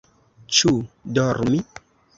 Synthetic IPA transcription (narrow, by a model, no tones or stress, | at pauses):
t͡ʃudɔɾmi